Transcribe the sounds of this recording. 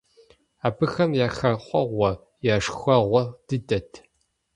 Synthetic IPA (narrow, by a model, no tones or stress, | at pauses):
aːbɨxɐmjaːxɐqʷʼɔʁʷɔ | jaːʂxʷɐʁʷɔd̥ɨdɐtʰ